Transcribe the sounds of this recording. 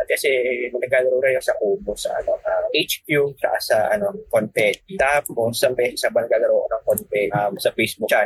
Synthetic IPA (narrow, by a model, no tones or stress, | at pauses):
ʔɐt̪̚kɐsɛnɐnɐɡaːɡɐɾoɾɐjosɐʔuːmosɐ̰ʔɐ̰noaʔejt͡ʃkjut̪ɐ̰ʔasɐʔɐnokonp̪ɛt̪t̪apːosɐŋbɛːsɛsɐbɐnɐɡaːɡɐɾoʔo̰nɐŋkonp̪ɛʔamsɐpejsbut͡ʃa